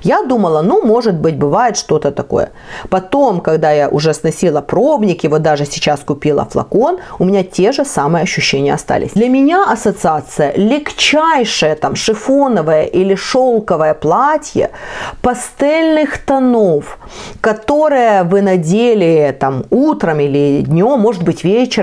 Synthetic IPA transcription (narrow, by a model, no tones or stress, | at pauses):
jad̪uməlˠənumo̞ʐɨt̪̚bɨtʲbɨvajɪt̪ʂt̪o̞t̪ət̪ɐko̞̰jə̰ | pɐt̪o̞mkɐɡd̪ajaʔʊʐɛsnɐsʲilˠəpɾobnʲɪkʲɪvot̪̚d̪aʐɨsʲɪ̥t͡ɕaskʊpʲilˠə̰flˠɐ̰ko̞nʊmʲɪnʲatʲe̞ʐɨsamɨjəɐɕːʉɕːenʲɪjə̰ɐst̪a̰lʲɪ̰sʲd̪lʲɐmʲɪnʲaʔɐsət̪sɨat̪sɨjə̰lʲɪkt͡ɕæjʂɨjət̪amʂɨfonəvəjə̰ʔilʲɪʂolˠkəvəjəplˠatʲjə̰pɐst̪ɛlʲnɨxt̪ɐnof | kɐt̪o̞ɾɨjəvɨnɐdʲelʲɪt̪amut̪ɾəmilʲɪdʲnʲo̞mːo̞ʐɨt̪̚bɨtʲvʲet͡ɕɪ